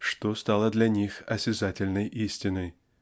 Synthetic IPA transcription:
ʂt̪ost̪alˠəd̪lʲɐnʲixɐsʲɪzatʲɪlʲnəjʔisʲtʲɪnəj

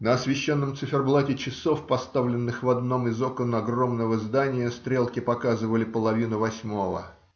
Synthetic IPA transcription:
nəɐsvʲɪɕːo̞nːəmt̪sɨfʲɪrblˠatʲɪt͡ɕɪso̞fpɐst̪avlʲɪnːɨxvɐd̪no̞mɪzokənɐɡro̞mnəvəzd̪anʲɪjəst̪ɾʲe̞lˠkʲɪpɐkazɨvəlʲɪpəlˠɐvʲinʊvɐsʲmo̞və̰

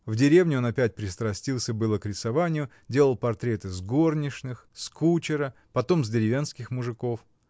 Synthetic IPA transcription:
vdʲɪɾʲe̞vnʲɪo̞nɐpʲæt̚ʲpɾʲɪst̪ɾɐsʲtʲilˠsʲəbɨlˠəkɾʲɪsɐvanʲɪjʊ | dʲe̞lˠəlˠpɐrt̪ɾʲe̞t̪ɨzɡo̞rnʲɪʂnɨxskut͡ɕɪɾə | pɐt̪o̞mzʲdʲɪɾʲɪvʲenskʲɪxmʊʐɨko̞f

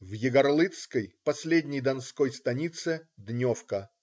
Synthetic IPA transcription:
vjɪɡɐrlˠɨt̪skəjpɐsʲlʲedʲnʲəjd̪ɐnsko̞jst̪ɐnʲit̪sɨd̪nʲofkə

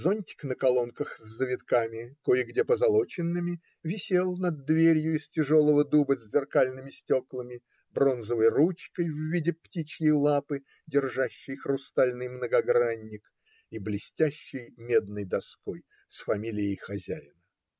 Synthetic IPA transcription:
zonʲtʲɪ̥knəkɐlˠo̞nkəxzʲːəvʲɪt̪kamʲɪkojɪɡdʲepəzɐlˠot͡ɕɪnːɨmʲɪ | vʲɪsʲelˠnɐd̪ːvʲeɾʲjʊɪsʲtʲɪʐo̞lˠəvəd̪ubəzʲzʲɪrkalʲnɨmʲɪsʲtʲo̞klˠəmʲɪ | bro̞nzəvəjrut͡ɕkəjvvʲidʲɪptʲit͡ɕjɪjlˠapɨ | dʲɪrʐaɕːɪjxrʊst̪alʲnɨjmnəɡɐɡɾanʲːɪk | iblʲɪsʲtʲæɕːɪjmʲe̞d̪nɨjd̪ɐsko̞j | sfɐmʲilʲɪjɪjxɐzʲæ̰jɪnə

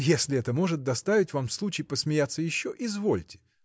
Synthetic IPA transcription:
jesʲlʲɪɛt̪əmo̞ʐɨt̪̚d̪ɐst̪avʲɪtʲvamslˠut͡ɕɪjpəsmʲɪjat̪sːəjɪɕːoʔɪzvo̞lʲtʲɪ̥

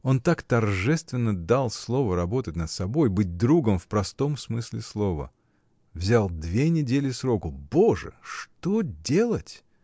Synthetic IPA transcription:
o̞nt̪akt̪ɐrʐɛst̪vʲɪnːəd̪alˠslˠo̞vəɾɐbo̞t̪ət̚ʲnət̪sɐbo̞jbɨt̚ʲd̪ɾuɡəmfpɾɐst̪o̞msmɨsʲlʲɪslˠo̞və̰ | vzʲalˠd̪vʲenʲɪdʲelʲɪsɾo̞kʊbo̞ʐɨ̰ʂt̪odʲelˠətʲ

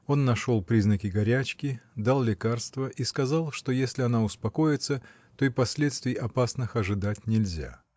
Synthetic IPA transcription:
o̞nːɐʂo̞lˠpɾʲiznəkʲɪɡɐɾʲæt͡ɕkʲɪd̪alˠlʲɪkarst̪vəʔiskɐzɑlˠʂt̪ojesʲlʲɪɐnaʊspɐko̞jɪt̪sə | t̪o̞ipɐsʲlʲet̪st̪vʲɪjʔɐpasnɨxɐʐɨd̪atʲnʲɪlʲzʲa̰

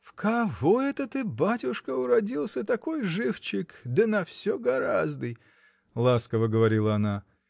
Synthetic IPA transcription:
fkɐvoɛt̪ət̪ɨbatʲʊʂkəʊɾɐdʲilˠsʲət̪ɐko̞jʐɨft͡ɕɪkd̪ənɐfsʲoɡɐɾazd̪ɨj | lˠaskəvəɡəvɐɾʲilˠəɐna

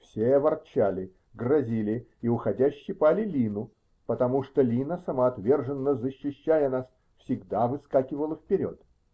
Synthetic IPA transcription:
fsʲeɐvɐrt͡ɕalʲɪ | ɡrɐzʲilʲɪiʊxɐdʲæɕːɪjpalʲɪlʲinʊ | pət̪ɐmuʂt̪olʲinəsəmɐɐt̪vʲe̞rʐɨnːəzəɕːɪɕːæjənas | fsʲɪɡd̪avɨskakʲɪvəlˠəfpʲɪɾʲo̰t̪

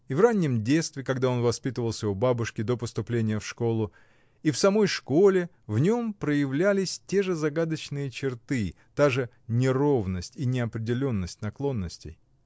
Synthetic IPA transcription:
ivranʲːɪmdʲet̪st̪vʲɪkɐɡd̪ao̞nvɐspʲit̪əvəlˠsʲəɔbabʊʂkʲɪd̪o̞pəst̪ʊplʲenʲɪjəfʂko̞lˠʊ | ifsɐmo̞jʂko̞lʲɪ | vnʲo̞mpɾəjɪvlʲælʲɪsʲtʲe̞ʐɨzɐɡad̪ət͡ɕnɨjət͡ɕɪrt̪ɨ | t̪aʐɨ | nʲɪro̞vnəsʲtʲinʲɪɐpɾʲɪdʲɪlʲo̞nːəsʲtʲnɐklˠo̞nːəsʲtʲɪ̰j

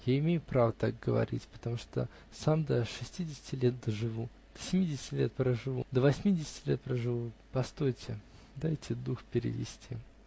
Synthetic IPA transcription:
jaɪmʲejʊpɾavət̪ak̚ɡəvɐ̰ɾʲḭtʲpə̥t̪ɐmuʂt̪o̰ | samd̪əʂɨsʲtʲidʲɪsʲɪ̥tʲɪlʲet̪̚d̪əʐɨvu | d̪̥ə̥sʲɪmʲidʲɪsʲɪ̥tʲɪlʲet̪̚pɾəʐɨvud̪əvɐsʲmʲidʲɪsʲɪ̥tʲɪlʲet̪̚pɾəʐɨvupɐst̪o̞jtʲɪ | d̪ajtʲɪd̪uxpʲɪɾʲɪ̰vʲɪ̰sʲtʲi

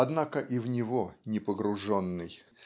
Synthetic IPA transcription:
ɐd̪nakəʔivnʲɪvonʲɪpəɡɾʊʐonːɨj

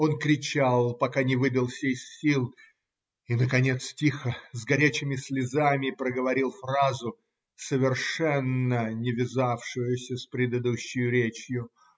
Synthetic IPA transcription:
o̞nkɾʲɪt͡ɕalˠpɐkanʲɪvɨbʲɪlˠfsʲejsʲilˠ | inəkɐnʲe̞t̪stʲixəzɡɐɾʲæt͡ɕɪmʲɪsʲlʲɪzamʲɪpɾəɡəvɐɾʲilˠfrazʊ | səvʲɪrʂɛnːənʲɪvʲɪzafʂʊjʊsʲəspɾʲɪd̪ɨd̪uɕːɪjʊɾʲet͡ɕjʊ

